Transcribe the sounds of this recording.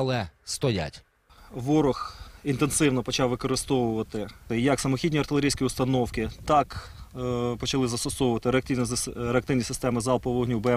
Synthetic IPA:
ɐlˠɛst̪ɔja̰tʲ | ʋɔɾʊxint̪ensɪwnɔpɔt͡ʃɑwʋɪkɔɾɪst̪ɔʋʊʋɐt̪ɪɪjɐksɐmɔxʲidʲnʲiɐrt̪ɪlʲˠeɾijsʲkʲiʊst̪ɐnɔwkɪt̪ɑk | pɔt͡ʃɐlˠɪzɐst̪ɔsɔʋʊʋɐt̪ɪɾeɐk̚t̪inʲɾeɐk̚t̪ɪwnʲisɪst̪ɛmɪzɑlˠpɔʋɔɦnʲubɛ

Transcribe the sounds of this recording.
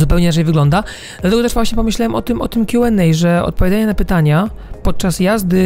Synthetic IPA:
upɛwɲɛɾat͡ʂɛjvɘɡlɔnd̪a | d̪̥lat̪ɛɡɔt̪ɛʐvwaɕɲɛpɔmɘɕlawɛmʔɔt̪ɘmʔɔ̰t̪ɘmkʲjuɛnːɛjʐɛɔ̰t̪̚pɔvʲjad̪d͡z̪aɲɛnapɘt̪aɲapɔt̪̚t͡ʂasjazd̪ɘ

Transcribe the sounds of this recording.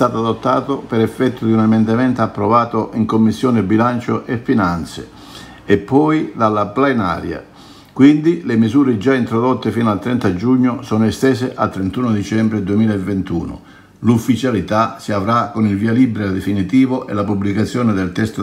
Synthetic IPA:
t̪aːt̪ʊad̪ot̪ːaːt̪ʊpɛɾɛfːɛt̪ːʊd̪iunamɛnd̪amɛnt̪apːɾovaːt̪ʊʔiŋkomːisːjɔːnɪbilant͡ʃoʔɛfːinant̪sɪ̰ | ɛpːɔjd̪alːaplena̰ːɾja̰ | kwind̪ilemizuːɾɪd͡ʒaint̪ɾod̪ɔt̪ːɪfinalt̪ɾɛnt̪ad͡ʒuɲːʊsɔːnʊɛst̪ɛːsɪʔalt̪ːɾent̪uːnod̪it͡ʃɛmbɾɪd̪uemiːlaevːent̪uːnʊ̰ | lufːit͡ʃalit̪asiavɾakonilviːalibɾed̪efinit̪iːvʊʔɛ̰lapublikat̪sːjɔːnɪd̪ɛlt̪ɛst̪o

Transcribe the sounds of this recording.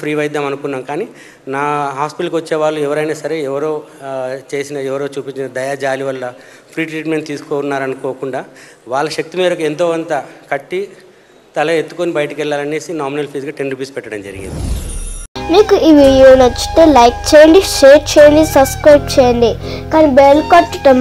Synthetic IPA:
pʰɾiːʋɐjd̪aːmɐnukunːaːmkaːni | naːɦaːspiʈɐlkiʋɐt͡ʃːeːʋaːɭːuɛʋɐɾɐjnaːsɐɾeːɛʋɐɾo̞ː | t͡ʃe̞ːsinɐɛʋɐɾoːt͡ʃuːpiɲt͡ʃinɐd̪ɐjaːd͡ʒaːliʋɐlːɐ | pʰɾiːʈɾiːʈme̞ɳʈt̪iːsu̥koːunːaːɾɐnukoːkuɳɖaː | ʋaːɭːɐʃɐk̚t̪imeːɾɐkuent̪̬oːɐnt̪ɐkɐʈːi | t̪ɐlɐet̪ːu̥konibɐjʈɐkɛɭːaːlɐne̞ːsinaːminɐlpʰiːsɡaːʈenɾupiːspɛʈːɐɽɐmd͡ʒɐɾḭɡḭnd̪i | miːkuʔiːʋiɽijoːnɐt͡ʃːu̥ʈeːlɐjk̚t͡ʃejɐɳɖiʃeːɾt͡ʃeːjɐɳɖisɐbskɾɐjpʈt͡ʃeːjɐɳɖi | kaːnibelkaːʈːʈɐm

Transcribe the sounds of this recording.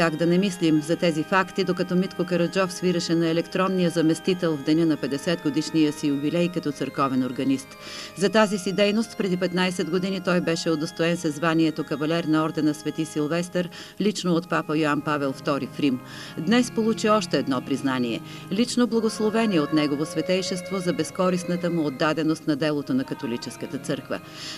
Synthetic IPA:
kaɡd̪ɐnɛmislimzɐt̪ɛzifakt̪id̪okɐt̪ɔmit̪kokɐɾɐd͡ʒɔfsviɾəʃɛnɐɛlɛkt̪ɾɔnːijəzɐmɛst̪it̪ɛlˠvd̪ɛnənɐpɛd̪ɛsɛd̪ɡod̪iʃnijəsijubilɛjkɐt̪ɔt̪səɾkɔvɛnoɾɡɐnist̪ | zɐt̪azisid̪ɛjnost̪pɾɛd̪ipɛt̪najsɛd̪ɡod̪init̪ɔjbɛʃɛod̪ɐst̪oɛnsɛzvaniɛt̪okɐvɐlʲɛɾnɐɔɾd̪ɛnɐsvɛt̪isilˠvɛst̪ɛɾ | lit͡ʃnoot̪papəjoanpavɛlˠft̪ɔɾifɾim | d̪nɛspolˠut͡ʃiɔʃt̪ɛːd̪nɔpɾiznaniɛ̰ | lit͡ʃnoblˠɐɡoslˠovɛniɛot̪nɛɡovosvɛt̪ɛjʃɛst̪vozɐbɛskɔɾisnət̪əmuod̪ːad̪ɛnost̪nɐd̪ɛlˠot̪onɐkɐt̪olit͡ʃɛskət̪ət̪sɤɾkvə̰

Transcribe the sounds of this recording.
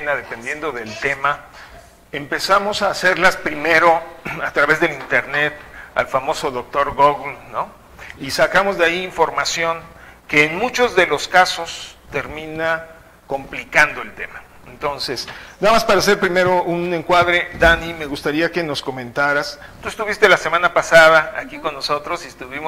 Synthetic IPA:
naðe̞pe̞nd̪je̞nd̪o̞ðe̞lt̪e̞ma | empe̞samo̞saːse̞ɾlaspɾime̞ɾo̞at̪ɾaβe̞zðelint̪e̞ɾne̞t̪a̰lfamo̞so̞ðo̞k̚t̪o̞ɾɣoɣːo | isakamo̞zðeaiːɱfo̞ɾmasjo̞ŋke̞ːnmut͡ʃo̞zðe̞lo̞skaso̞st̪e̞ɾmĩna | ko̞mplikand̪o̞e̞lt̪e̞ma | ent̪o̞nsesnamaspaɾaːs̬e̞ɾpɾime̞ɾo̞ʔune̞ŋkwaðɾe̞d̪anime̞ɣust̪aɾiake̞no̞sko̞mẽnt̪aɾast̪uest̪uβist̪e̞lase̞mãnapasaðaa̰kiko̞nːo̞so̞t̪ɾo̞siest̪uβim

